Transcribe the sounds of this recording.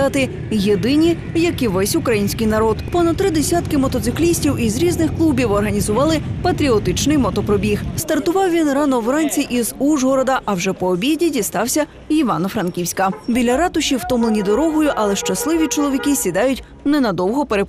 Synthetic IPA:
ɑt̪ɪ | jed̪ɪnʲi | jɐkiʋɛsʲʊkɾɐjinʲsʲkɪjnɐɾɔd̪pɔnɐt̪t̪ːɾɪd̪esʲat̪kɪmɔt̪ɔt̪sɪklʲisʲtʲiwizɾʲiznɪxklˠubʲiwɔrɦɐnʲizʊʋɑlˠɪpɐt̪ɾʲiɔt̪ɪt͡ʃnɪjmɔt̪ɔpɾɔbʲixst̪ɐrt̪ʊʋɑwʋʲinrɑnɔwɾɑnʲt͡sʲiʔizuʒɦɔɾɔd̪ɐʔɐwʒɛpɔːbʲidʲidʲist̪ɑwsʲɐ | iʋɑnɔfɾɐnkʲiwsʲkɐbʲilʲːɐɾɑt̪ʊʃiwt̪ɔmlˠenʲid̪ɔɾɔɦɔjʊʔɐlˠɛʃt͡ʃɐslˠɪʋʲit͡ʃɔlˠɔʋʲikɪsʲid̪ɑjʊtʲ | nɛnɐd̪ɔwɦɔpeɾe

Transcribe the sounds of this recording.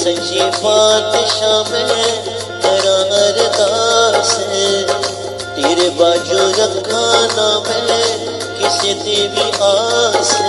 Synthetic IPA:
sɐ̃d͡ʒiːbaːt̪ʃaːmɪl | t̪ɐɾãːnɐɾɐd̪aːse | t̪iːɾebaːd͡ʒuːɾɐkʰːãːnaːmɪle | kɪset̪eːʋiʔaːs

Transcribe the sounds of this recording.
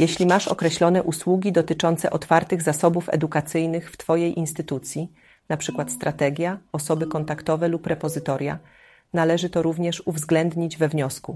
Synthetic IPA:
jɛɕlʲimaʂɔ̰kɾɛɕlɔnɛʔuswuɡʲid̪ɔt̪ɘt͡ʂɔnt̪sɛ̰ʔɔt̪faɾt̪ɘɣzasɔbufɛ̰d̪ukat̪sɘjnɘxft̪fɔjejʔinst̪ɘt̪ut̪sʲji | napʂɘkwat̪st̪ɾat̪ɛɡʲjaɔsɔbɘkɔnt̪akt̪ɔvɛlupːɾɛpɔzɘt̪ɔɾʲja̰ | nalɛʐɘt̪ɔɾuvɲɛʂuvzɡlɛnd̪ɲid͡ʑvɛvɲɔsku

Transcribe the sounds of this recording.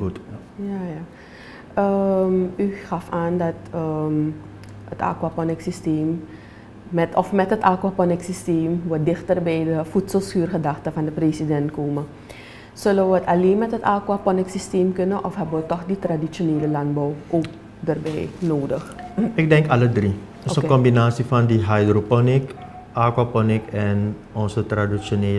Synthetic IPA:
ut | jaja | əmyxɑfaːndɑtə | əta̰ːkwapɔnɛksisteːmː | ɛtɔfmɛtətaːkwaːpɔnɪksisteːmʋədɪxtərbɛjdəfutsəlˠsyːrχədaxtəfɑndəpreːsidɛntkoːmə | sɵləʋəətaleːnmɛtɦətaːkwapɔnɪksisteːmkɵnəʔɔfɦɛbəʋətɔxditradit͡ʃjoneːləlantbɔwʔoːk̚ | dərbɛjnoːdəxɪk̚dɛŋkalədri | səkɔmbinaːsifandiɦajdropɔnɪk | ʔaːkwapɔnɪkɛ̃n | ɔnsətradisjoneː

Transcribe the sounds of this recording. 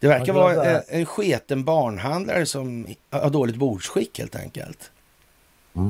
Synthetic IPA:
d̪̥ɛvæɾkavɑːɛɛnɧeːt̪ənbɑːɳɦand̪la̰ɾəsɔmhhaɖoːlɪt̪̚buːɖʂɧɪkːhḛːlt̪ʰɛ̰ŋkə̰lt̪

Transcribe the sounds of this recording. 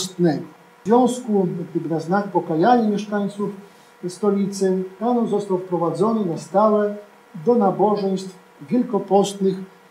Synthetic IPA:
st̪nɛɡɔ | zvʲjɔ̃w̃skuɡd̪ɘbɘnaznak̚pɔkajaɲamʲjɛʂkajt̪suf | st̪ɔlʲit̪sɘanɔzɔst̪awfpɾɔvad̪zɔnɘnast̪awɛ | d̪ɔnabɔʐɛj̃st̪f | vʲjɛlkɔpɔst̪nɘx

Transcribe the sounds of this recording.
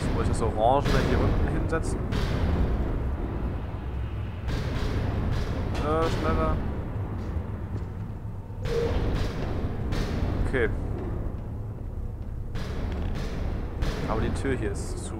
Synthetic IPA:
svɪçd̥asoʁɑ̃ːʒəaɪndiʁʏntn̩ɦɪnzɛt͡sn̩ | ʔəːʃnɛlɐ | ʔokʰeː | haːbəditʰyːɐɦiːɐɪst͡su

